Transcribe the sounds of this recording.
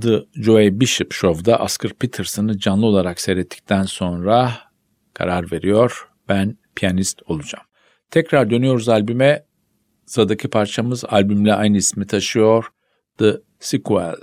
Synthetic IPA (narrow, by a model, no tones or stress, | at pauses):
d̪ɯd͡ʒoebiʃɯpʃo̞vd̪aʔaskʰɯɾpʰit̪ʰɯɾsɯnɯd͡ʒanlˠɯo̞lˠaɾaksejɾet̪ʰːi̥c̚t̪ʰænso̞nɾa | kʰa̰ɾaɾve̞ɾijo̞ɾ̥ | b̥ænpʰijanist̪o̞lˠud͡ʒa̰m | t̪ʰɛcɾaɾd̪ø̞nyjo̞ɾuzalʲbymɛ | sad̪acʰipʰaɾt͡ʃʰamɯzalʲbymlʲɛʔajnɯismit̪ʰaʃɯjo̞ɾ | d̪̥ɯ | sikʰuɛ̰lˠ